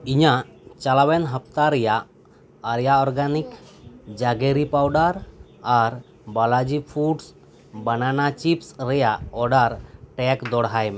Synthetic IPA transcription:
iɲaʔt͡ʃalawɛnɦəp̚t̪aɾɛjaʔ | aɾjaɔɾɡanik | d͡ʒaɡeɾipawɖaɾ | aɾ | balad͡ʒipʰuɖs | bənanat͡ʃipsɾɛjaʔɔɖaɾʈɛkd̪ɔɽɦajmɛ

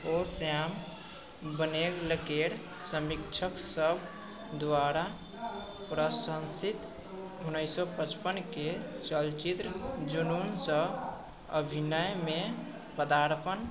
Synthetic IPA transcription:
osjam | bənekləkeɽ | səmikt͡ʃʰəksəbʱ | d̪waɾa | pɾəsə̃nsit̪ | ɦunəjsɔpət͡ʃpənket͡ʃəlt͡ʃit̪ɾəd͡ʒununsə | əbʱinəjme | pəd̪aɾpən

